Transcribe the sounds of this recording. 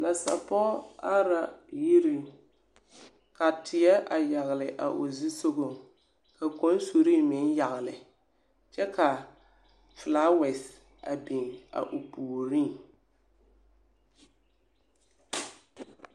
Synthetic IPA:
na˨sa̰˨pɔ˦a˦ɾa˦ji˦ɾi˦˨ | ka˨tʰɪ˨ɛ˦ʔa˨ja˨ɣɪ˨lɪ˨ʔa̰˨ʔo˨zi˦so˦ɣo˨ | ka˨ko˦n˦so˨ɾiː˦mɪ˨˦n˦ja˨ɣɪ˨lɪ˨ | t͡ʃɛ˦ka˨ | flaː˦wɛ˨s | a˨bɪ˨ŋa̰˨ʔʊ˨puː˨ɾi˦ŋ

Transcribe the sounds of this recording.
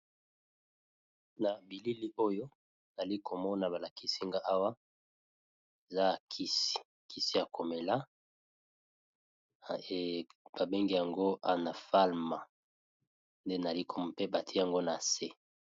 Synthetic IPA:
na˨bi˨li˦li˦ʔo˦jo˦ | na˨li˦ko˨mɔ˦na˨ba˨la˨ki˦si˦ŋɡa˦ʔa˦wa˦ | e˨za˦˨kʰi˦si̥˨ | kʰi˦si˦ja˨ko˨me˨la˦˨ | b̥a˨be˦ŋɡi˦˨ja˨ŋɡo˦a˦˨na˨fa˦lma˨ | nde˦na˨li˦kʰo˨mɔ˨pe˦ba˨tʰja˨ŋɡo˦na˨se˦

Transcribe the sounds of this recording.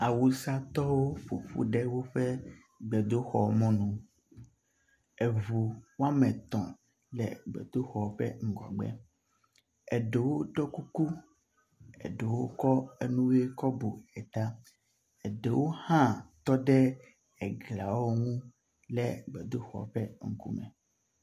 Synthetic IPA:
a˨wu˨sa˦t̪ɔ˦wo˦fo˨ɸṵ˦ɖe˦wo˦ɸe˦ | ɡ͡bɛ˨d̪o˦xɔ˨mɔ̃˦nũ˨ | e˨vu˨wo˦a˦mɛ̃˨t̪ɔ̃˨ | lɛ̰˨ɡ͡bɛ̰˨d̪o˦xɔ˨ɸɛ̰˦ŋ̩˨ɡɔ̰˨ɡ͡bɛ̰˦ | ɛ˨ɖe˨wo˦ɖɔ˦ku˦ku˦ | ḛ˨ɖe˨wo˦kɔ˦e˦nũ˦we˦kɔ˦bo˨ɛ˨t̪a˦ | e˨ɖe˨wo˦hã˦t̪ɔ˦ɖɛ˦ | ɛ˨ɡla˨wo˦ŋũ˦ | lɛ˨ɡ͡bɛ˨d̪o˦xɔ̰˨ɸɛ˦ŋ̩˨kṵ˦mɛ̃˨

